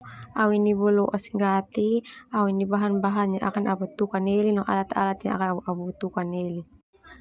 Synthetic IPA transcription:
awinibɔlɔʔasiŋɡat̪iawinibaɦanbaɦanɲaʔakanabut̪ukanelinɔʔa̰lat̪aalat̪iɲaa̰kanabuʔabut̪ukaneli

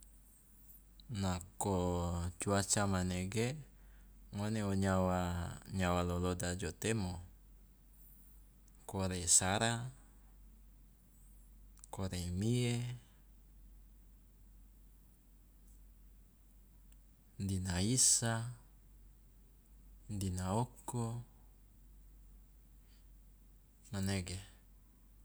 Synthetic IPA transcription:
nakot͡ʃuat͡ʃamaneɡe | ŋoneoɲawaɲawalolodad͡ʒot̪emo | koɾesaɾa | koɾemie | ndinaisa | ndinaoko | naneɡe

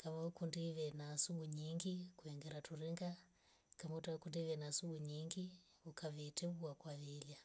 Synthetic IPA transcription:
kamakundiʋɛnasuɓuɲiŋɡikuɛŋɡɛɾatuɾiŋɡa | kamutakundiʋɛnasuɓuɲiŋɡi | ukaβɛtɛβuakwaʋila

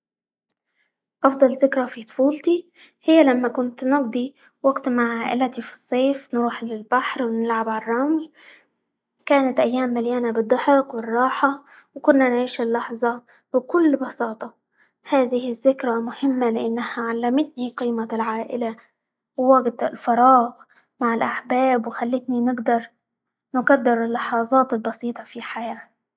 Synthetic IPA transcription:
ʔɑfd̪ˤɑlzɪkɾˤafit̪ˤfuːlt̪ihɪjːalamːakʊnt̪nɑɡd̪ˤi | waɡt̪maʕʕaːʔɪ̰lat̪ifi̥sˤːeːfnɾuːħlɪlbaħɾwnɪlʕabʕarˤːɑml | kaːnat̪ʔajːaːmːaljaːnabɨd̪ˤːɑħɪqwɪrˤːɑːħɑwkʊnːanʕiːʃɪlːɑħzˤɑ | bɪkʊlːbɑsɑːt̪ˤɑ | haːðɪhɪzːɪkɾˤamʊhɪmːalɪʔanːahaʕalːamɪt̪niqiːmalʕaːʔɪ̰la | wwaɡd̪ɪ̰lfɑɾˤɑːɣ | maʕɪlʔaħbaːbwxalːɪt̪ninɪɡd̪ɑɾˤ | nɪqɑd̪ːɪɾɪlːɑħɑːzˤɑːt̪ɪlbɑsiːt̪ˤɑfiħajaː

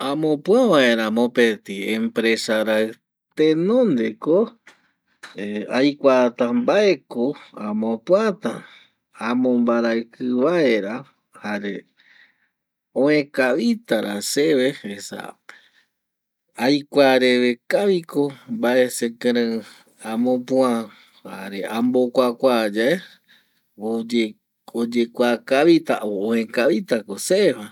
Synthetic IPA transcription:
ãmõpwaβaeɾamõpet̪iempɾesaɾaɰ | t̪enõnd̪eko | eajkʷat̪ãmbaekoãmõpwat̪a̰ | amõmbaɾaɨkɨβaeɾa | haɾe | õẽkaβit̪aɾaseβeesa̰ | ajkʷaɾeβekaβikobae̞sekeɾẽ | ãmõpũã | ha̰ɾeʔãmbokʷakʷad͡ʒae | o | od͡ʒekʷakaβit̪aooẽkaβit̪akoseeha

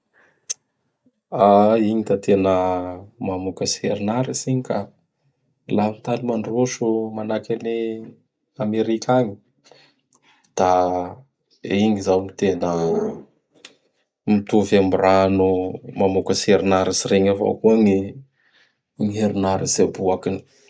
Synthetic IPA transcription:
aiŋit̪at̪ʰenəmamukəseɾinaɾisiɲika | laint̪animaɳɖ͡ʐoʃumanakani | ameɾikʲʰaɲi̥ | d̪̥a | iŋizawmit̪enə | mit̪uvamburanumamukəseɾinaɾisiɾeɲava̰wkuəŋi | ŋieɾinaɾisabuakini̥

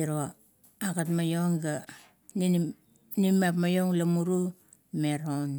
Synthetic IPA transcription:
iɾo | akatmajoŋɡa | n | nimapmajoŋlamuɾu | meɾon

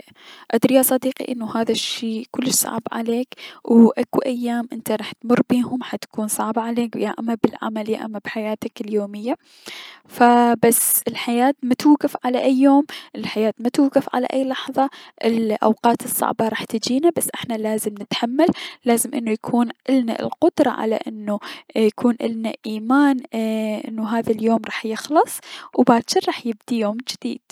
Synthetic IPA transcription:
ʔad̪ɾijasˤɑd̪iːqḭʔɪnːuhaːðaʃːiːkʊlːɪʃsˤɑ̰ʕbʕa̰leːkwʔakuʔajːaːmʔɪnt̪aɾˤɑːħt̪mʊrˤːbiːhʊmħat̪ḁkuːnsˤɑʕbaʕaleːkjaʔamːabɪlʕa̰maljʔa̰mːabħajaːt̪akɪljoːmɪjːa | fabasːɪlħajaːt̪mat̪uwɡɪfʕalaʔajːoːmʔɪlħajaːt̪mat̪uːɡɪfʕa̰la̰ʔaːlɑħðˤɑʔɪlʔa̰wqɑːt̪ɨsˤːɑ̰ʕbɑɾˤɑːħt̪ɪd͡ʒiːnabasːʔɪħnalaːzɪmnɪt̪ħamːalːaːzɪmʔɪnːujakʰuːnʔɪlna̰lqʊd̪ɾˤɑ̰ʕa̰la̰ʔɪnːujakuːnʔɪ̰lnaʔiːmaːnʔɪ̰nːuɦaːðaljoːmɾˤɑːħjɪxlɨsˤwbaːʃɪɾɾˤɑːħjɪb̚d̪ijoːmd͡ʒɪd̪̥ḭːd̪̥̚

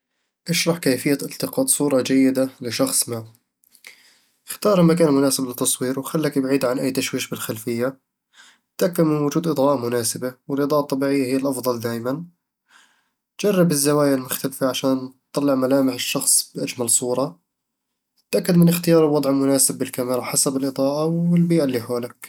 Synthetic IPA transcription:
ʔaʃɾˤɑħkaːfɪjːaʔɪlt̪ɪqɑːd̪sˤuːɾˤɑd͡ʒajːɪd̪alɪʃɑxsˤma | xt̪ɑːɾˤmakaːnmʊnaːsɪblɪt̪ːɑsˤwiːɾwxalːakbʕiːd̪ʕanʔajːt̪aʃwiːʃbɪlxalfɪjːa | t̪ʔakːad̪mɪnwʊd͡ʒuːd̪ʔɨd̪ˤʕɑːʔmʊnaːsɪbawɪlʔɨd̪ˤɑːʔɑt̪ˤːɑbiːʕɪjːahɪjːalʔɑfd̪ˤɑld̪aːʔɪman | d͡ʒɑrˤːɪbɪzːawaːjalmʊxt̪alfaʕaʃaːnt̪ˤːɑlːɪʕmalaːmɪħɪʃːɑxsˤbʔad͡ʒmalsˤuːɾˤɑ | t̪ʔakːad̪mɪnɪxt̪ɪjɑːɾˤwɑd̪ˤʕɪmʊnaːsɪbːɪlkamɪɾˤɑħasabɪlʔɨd̪ˤɑːʔawɪlbiːʔalːiːħoːlak̚

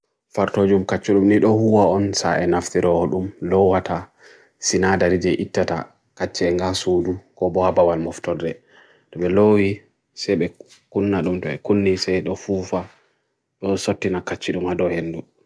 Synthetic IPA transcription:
faɾtod͡ʒumkat͡ʃːuɗumniɗɔhuwaɔnsa̰ʔɛnaftiɾɔɗumlɔwata | sinadaɾid͡ʒɛʔitːata̰ | kat͡ʃːɛɛŋɡasuːdukɔbɔhabawalmɔftɔdɛ | ɗɔɓɛlowi | sɛɓɛ | kunːaɗumtɔɛ̰kunːisɛjɗɔfufa | ɗɔsotːinakat͡ʃːiɗumadɔhenːdu

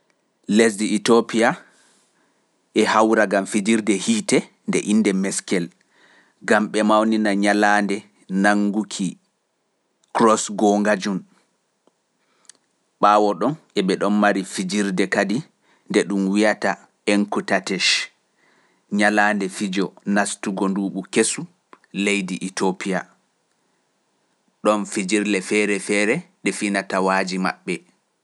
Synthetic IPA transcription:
les̬diːtopia | ʔɛhawɾaɡamfid͡ʒiɾdɛhiːtɛ | ndɛ̰ʔinːdɛmɛskɛl | ɡamɓɛmawninaɲalandɛ | naŋɡukʰi | kɾɔsɡɔŋɡad͡ʒun | ɓaːwɔɗɔnʔɛɓɛɗɔnmaɾifid͡ʒiɾdɛkadi | ndɛɗumwijata | ɛŋkutatɛʃ | ɲalaːndɛfid͡ʒɔnastuɡɔnduːɓukesu | lejdiʔitʰopija | ɗɔnfid͡ʒiɾlɛfɛːɾɛfɛːɾɛɗɛfinatawaːd͡ʒima̰ɓːɛ

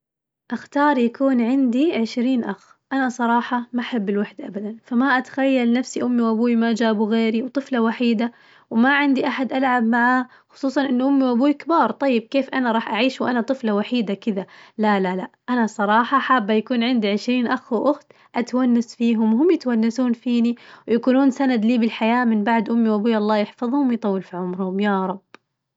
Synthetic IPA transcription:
ʔaxt̪ɑːɾˤjakuːnʕɪnd̪iʕɪʃɾiːnʔax | ʔanasˤɑɾˤɑːħɑmaʔaħabːɪlwaħd̪ʔabad̪anfamaʔat̪ḁxajːalnafsiʔʊmːiwʔabuːwimaʔd͡ʒaːbuɣeːɾiwt̪ˤɨflawaħiːd̪a | wmaʕɪnd̪iʔaħad̪ʔalʕab̚maʕaː | xʊ̥sˤuːsˤɑnʔɪnːuʔʊmːiwʔabuːikabɑːɾˤt̪ˤɑjːɪb̚keːfʔanaɾˤɑːħʔaʕiːʃwʔanat̪ˤɨflawaħiːd̪akɪðalalalaʔʔanasˤɑɾˤɑːħɑħaːbːajakuːnʕɪnd̪iʕɪʃɾiːnʔaxʔʊxt̪ | ʔat̪wanːasfiːɦʊmwhʊmjɪt̪wanːasuːnfiːniwjakuːnuːnsanad̪liːbɪlħajaːmɪnbaʕd̪ʔʊmːiwʔabuːjʔɑlˤːɑːjɪħfɑðˤhʊmwjt̪ˤɑwːɪlfiʕʊmɾhʊmjaːɾˤɑb̥

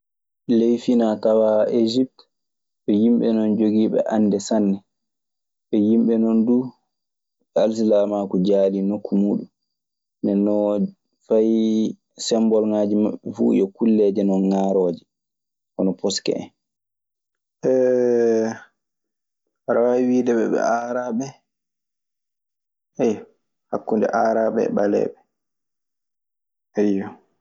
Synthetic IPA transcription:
lejfinatawaʔed͡ʒip̚t | ɓɛjimɓɛnɔnd͡ʒoɡiːɓɛ̰ʔandɛsanːɛ | ɓɛjimɓɛnɔndu | als̬ilamakud͡ʒaːlinokːumuːɗum | ndɛnːɔ | faj | sɛmbɔlŋaːd͡ʒimaɓːɛfṵjɔkulːɛd͡ʒɛnɔnŋaːɾɔːd͡ʒɛ | ʔɔnɔpʰɔskɛ̰ɛ̰n | ʔɛ | waɾawawiwidɛɓɛ̰ɓɛ̰aɾaːɓɛ | ɛj | hakːundɛ̰ʔaːɾaɓɛ̰ɓalɛ̰ɓɛ | ɛjːɔ

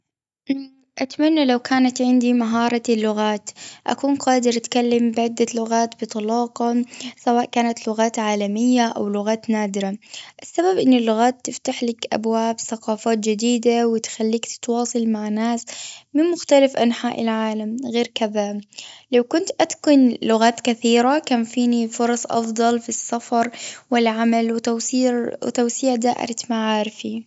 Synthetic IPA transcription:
ʔ | ʔat̪manːalawkʰaːnat̪ʕɪnd̪imaɦɑːɾˤɑlːʊɣaːt̪ʔa̰kuːnqɑːd̪ɪɾʔat̪kalːambɪʕɪd̪ːalʊɣaːt̪bɨt̪ˤɑlɑːqɑsawaːʔkaːnat̪lʊɣaːt̪ʕaːlamɪjːaʔa̰wlʊɣaːt̪naːd̪ɪɾaʔɪsːababʔɪnːɪlːʊɣaːt̪ːɪft̪aħlakʔa̰bwaːbθaqɑːfaːt̪̚d͡ʒɪd̪iːd̪awɪt̪xalːiːk̪t̪wɑːsˤɨlmaʕnaːsmɪnmʊxt̪alafʔanħaːʔɪ̰lʕaːlamɣeːɾkɪðalawkʊnt̪ʔat̪kʊnlʊɣaːt̪kaθiːɾakaːmfiːnifʊɾˤɑsˤʔɑ̰fd̪ˤɑlfisːafɑɾˤwɪlʕamalwɪt̪awsiːʕ̰t̪awsiːʕd̪aːʔɪ̰ɾamaʕaːɾɪfi

